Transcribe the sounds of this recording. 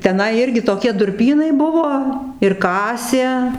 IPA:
tʲɛˈnɐɪ ˈɪrʲɡʲɪ toːˈkʲiɛ dʊrʲˈpʲiːnɐɪ ˈbʊʋoː ɪr ˈkɑːsʲeː

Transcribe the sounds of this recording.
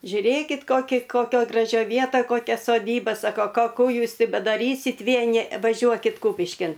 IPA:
ʒʲʊˈrʲeːkʲɪt ˈkoːkʲɪ koːˈkʲoːj ɡrɐˈʒʲoːj ˈʋʲiɛtɐj koːˈkʲɛ soːˈdʲiːbɐ ˈsɑːkoː ˈkoː ˈkuː ˈjuːs ˈtʲɪ bʲɛdɐˈrʲiːsʲɪtʲ ˈʋʲiɛnʲɪ ʋɐˈʒʲuɔkʲɪt ˈkuːpʲɪʃʲkʲɪn

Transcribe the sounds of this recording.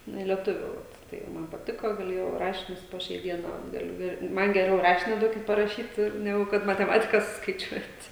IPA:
nʊ ɪ lʲiɛˈtʊʋʲuː ʋɐt ˈtɐɪ ˈmɐn pɐˈtʲɪkoː ɡɐˈlʲeːjɛʊ ˈrɑːʃʲɪnʲʊs poː ˈʃʲɛɪ ˈdʲiɛnɐ ˈɡɑːlʲʊ ˈɪr ˈmɐn ɡʲɛˈrʲɛʊ ˈrɑːʃʲɪnʲɪ ˈduɔkʲɪt pɐrɐˈʃʲiːt ˈnʲæːɡʊ kɐt mɐtʲɛˈmɑːtʲɪkɐ sʊskɐɪˈt͡ʃʲuɔtʲ

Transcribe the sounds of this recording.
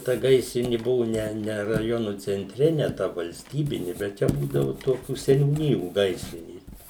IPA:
tɐ ˈɡɐɪsʲrʲɪnʲɪ ˈbʊʋʊ ˈnʲɛ nʲɛ rɐˈjoːnʊ t͡sʲɛnʲˈtʲrʲɛ nʲɛ tɐ ʋɐlʲsʲˈtʲiːbʲɪnʲɪ bʲɛt ˈt͡ʃʲɛ ˈbuːdɐʋʊ ˈtoːkʲuː sʲɛnʲuːˈnʲɪjuː ˈɡɐɪsʲrʲɪnʲeːs

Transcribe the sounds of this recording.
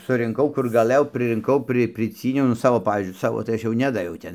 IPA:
sʊrʲɪŋˈkɐʊ ˈkʊr ɡɐˈlˠɘjɛʊ prɨrʲɪŋˈkɐʊ ˈprɨ pʲrʲɪˈt͡sʲiːnʲɛʊ nʊ ˈsɑːʋoː ˈpɑːʋʲiːzʲd͡ʒʲʊɪ ˈsɑːʋoː tɐɪ ˈɐʃ ˈnʲæːdɐʋʲɛʊ ˈtʲɛn

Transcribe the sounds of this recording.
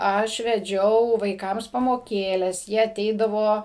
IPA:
ˈɐʃ ʋʲɛˈd͡ʒʲɛʊ ʋɐɪˈkɐms pɐmoːˈkʲeːlʲɛs ˈjiɛ ɐˈtʲɛɪdɐʋoː

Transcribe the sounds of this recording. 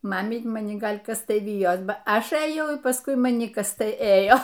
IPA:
ˈmɑːmʲiːtʲ mɐˈnʲɪ ˈɡɐlʲ ˈkɐs ˈtɐɪ ˈʋʲɪjoːs ˈbɐ ˈɐʃ ɘˈjɛʊ ɪr pɐsˈkʊɪ mɐˈnʲɪ ˈkɐs ˈtɐɪ ˈeːjoː

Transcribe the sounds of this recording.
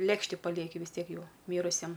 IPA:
ˈlʲeːkʃʲtʲɪ pɐˈlʲiɛkʲɪ ʋʲɪs ˈtʲiɛk ˈjɛʊ ˈmʲiːrʊsʲiɛm

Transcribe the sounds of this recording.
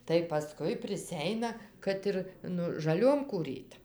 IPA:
tɐɪ pɐˈskʊɪ pʲrʲɪˈsʲɛɪnɐ ˈkɐt ɪr ˈnʊ ʒɐˈlʲoːm kuːˈrʲiːt

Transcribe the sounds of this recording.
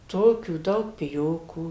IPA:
ˈtoːkʲuː ˈdɐʊk pʲɪˈjoːkuː

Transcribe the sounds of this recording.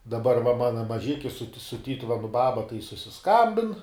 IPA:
dɐˈbɐr ʋɐ ˈmɑːnɐ mɐˈʒʲɪkʲɪ sʊ tʲɪ sʊ ˈtʲiːtʊʋʲɛnʊ ˈbɑːbɐ tɐɪ sʊsʲɪˈskɐmʲbʲɪn

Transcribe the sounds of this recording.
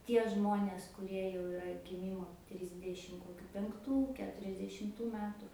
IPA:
ˈtʲiɛ ˈʒmoːnʲeːs kʊˈrʲiɛ jɛʊ ɪˈrɐ ɡʲɪˈmʲiːmoː ˈtʲrʲɪzʲdʲɛʃʲɪm koːˈkʲʊ pʲɛŋkˈtuː kʲɛtʊrʲɛzʲdʲɛʃʲɪmˈtuː ˈmʲæːtʊ

